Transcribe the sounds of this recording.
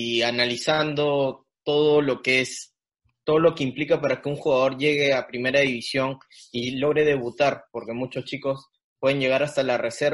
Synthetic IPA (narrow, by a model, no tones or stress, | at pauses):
ianalisand̪o̞ | t̪o̞ðolo̞kees | t̪o̞ðolo̞ke̞implikapaɾake̞uŋxuɣaðo̞ɾʝe̞ɣe̞apɾime̞ɾaðiβisjo̞ŋ | ilo̞ɣɾe̞ð̞e̞βut̪aɾpo̞ɾke̞mut͡ʃost͡ʃiko̞s | pwe̞ðe̞ɲʝe̞ɣ̞aɾast̪alare̞se̞ɾ